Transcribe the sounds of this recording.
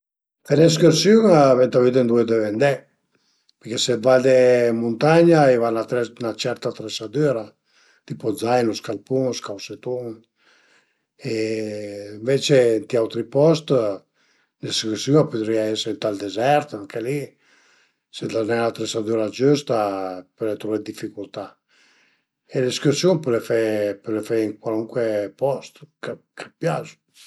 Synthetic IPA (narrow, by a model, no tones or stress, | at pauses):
t̪ɛnɛs̬kyɾsyŋavɛnt̪avid̪end̪uɛd̪evɛnd̪ɛ | pɛɾkɛsɛvald̪ɛmunt̪aɲaivanat̪nat͡ʃɛɾt̪at̪ɾɛsad̪yɾa | d̪̥ipɔzajnɔskalpunskawset̪uŋ | ɛ | ɱvɛt͡ʃent̪iawt̪ɾipɔst̪ | leskusjuapøt̪ɾiaɛsɛɾint̪ald̪ezɛɾt̪aŋkʰeli | sed̪anɛnat̪ɾesad̪uɾad͡ʒust̪apølɛt̪ɾuɛd̪ifikult̪a | eleskusjunpølefɛpølefɛiŋkwaluŋkwepɔst̪kakʰapjaz